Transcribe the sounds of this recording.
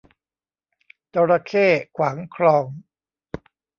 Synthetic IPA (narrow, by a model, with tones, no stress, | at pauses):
t̪o˧ɾa˧kʰeː˥˩kʰwaː˩˦ŋkʰɾɔː˧ŋ